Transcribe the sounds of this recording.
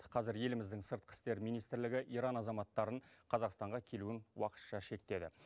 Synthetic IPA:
qʰɑzɪɾje̞lɪmɪzd̪ɪŋsəɾt̪̚qʰə̥st̪e̞ɾmijnijst̪ɾlɪɡʲɪʔiɾɑnɑzɑmɑt̪ːɑɾəɴqʰɑzɑqst̪ɑɴʁɑkʲʰe̞luɪnwɑqə̥t̪ʃɑʃe̞k̚t̪e̞d̪ɪ̰

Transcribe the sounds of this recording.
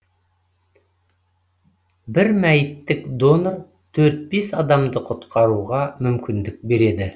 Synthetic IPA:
bɪɾmæjɪt̪ːɪkd̪o̞nor | t̪ʰɵɾt̪̚besɑd̪ɑmd̪əqʰʊt̪qʰɑɾuʁɑmʏmkʲɪnd̪ɪk̚be̞ɾe̞d̪ɪ

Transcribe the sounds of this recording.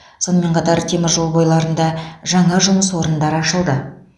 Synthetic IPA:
so̞nəme̞ɴqʰɑt̪ɑɾt̪ʰemɪɾʒo̞lˠbojlˠɑɾənd̪ɑʒɑɴɑʒʊməswo̞ɾənd̪ɑɾəɑʃəlˠd̪ə

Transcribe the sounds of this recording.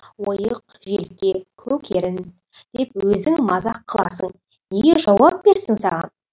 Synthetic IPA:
wojəq̚ | ʒe̞̰lk̪ʲe̞kʲʰɵkʲʰe̞ɾɪn | d̪̥e̞p̚wɵzɪŋmɑzɑqʰːəlˠɑ̰səɴ | neɡʲe̞ʒɑwɑp̚b̥e̞ɾsɪŋsɑʁɑ̰n

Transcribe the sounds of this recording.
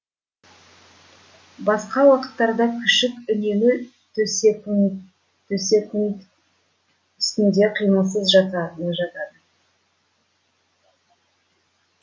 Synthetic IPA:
bɑsqɑwɑqə̥t̪ːɑɾd̪ɑkʲʰʏʃɪkʏne̞mɪ | t̪ | t̪ʰɵse̞kɪnt | ʏst̪ɪnd̪e̞qʰijməlˠs̬əzʒɑt̪ɑd̪ʒɑt̪ɑd̪ə

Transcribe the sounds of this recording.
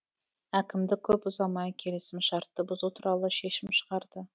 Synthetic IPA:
ækʲɪmd̪ɪkʲʰɵpʊzɑmɑjkʲʰe̞lesɪmʃɑɾt̪ːəbʊzut̪ʰuɾɑlˠəʃe̞ʃɪmʃə̥ʁɑɾd̪ə

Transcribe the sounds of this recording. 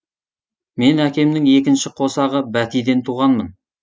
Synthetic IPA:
me̞nækʲe̞mnɪŋe̞kʲɪnʃɪqʰo̞sɑʁəbæt̪ijd̪e̞nt̪ʰuʁɑnmən

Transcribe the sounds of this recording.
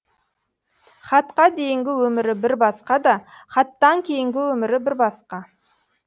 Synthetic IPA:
χɑt̪qɑd̪e̞jɪŋɡʲɪwɵmɪɾɪbɪɾbɑsqɑd̪ɑ | χɑt̪ːɑŋkʲʰe̞jɪŋɡʲɪwɵmɪɾɪbɪɾbɑsqɑ

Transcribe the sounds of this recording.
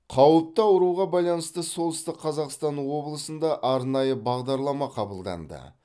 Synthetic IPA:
qʰɑwəp̚t̪ɑʊɾuʁɑbɑjlˠɑnəst̪əso̞lˠəst̪ɪqʰːɑzɑqst̪ɑnwo̞blˠəsənd̪ɑʔɑɾnɑjəbɑʁd̪ɑɾlˠɑmɑqʰɑbəlˠd̪ɑ̰nd̪ə̰

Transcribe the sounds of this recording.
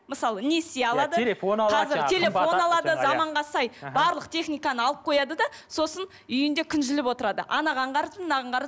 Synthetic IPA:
məsɑlˠəne̞seɑlˠɑd̪əqʰɑzɪɾt̪ʰe̞le̞fo̞nɑlˠɑd̪əzɑmɑɴʁɑsɑjbɑɾlˠəq̚t̪ʰe̞χnijkɑnəɑlˠəp̚qʰo̞jɑd̪əd̪ɑso̞sən | ʏjɪnd̪e̞kʲʰʏnʒɪlɪpwo̞t̪əɾɑd̪ə̰ʔɑnɑʁɑɴqɑɾt̪nɑʁɑɴʁɑɾ

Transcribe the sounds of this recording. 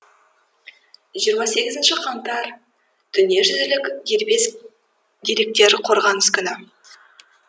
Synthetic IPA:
ʒijəɾmɑse̞ɡʲɪzɪnʃɪqʰɑnt̪ɑɾ | d̪̥ʰʏne̞ʒʏzɪlɪkd̪eɾbe̞s | d̪e̞ɾe̞k̚t̪e̞ɾqʰo̞ɾʁɑnɪzkʲʏnɪ

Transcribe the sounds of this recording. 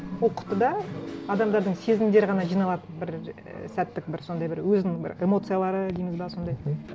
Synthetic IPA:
wolqʰʊ̥t̪ːəd̪ɑɑd̪ɑmd̪ɑɾd̪əɴse̞zɪmd̪e̞ɾɪʁɑnɑʒijnɑlˠɑt̪ənbɪɾ | sæt̪ːɪk̚bɪɾso̞nd̪ɑjbɪɾwɵzɪnɪŋbɪ̰ɾe̞mo̞t̪sɨjalˠɑɾəd̪ejɪmɪzbɑso̞nd̪ɑj

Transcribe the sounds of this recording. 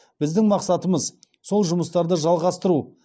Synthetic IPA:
b̥ɪzd̪ɪŋmɑqsɑt̪əməz | so̞lˠʒʊməst̪ɑɾd̪əʒɑlˠʁɑst̪əɾu

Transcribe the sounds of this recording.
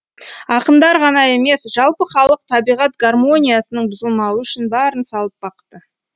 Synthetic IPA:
ɑqənd̪ɑɾʁɑnɑe̞me̞sʒ̥ɑlˠpəχɑlˠəqt̪ʰɑbijʁɑt̪̚ɡarmo̞nʲijasənəɴbʊzəlˠmɑwəʏʃɪnbæɾənsɑlˠəp̚bɑqt̪ə

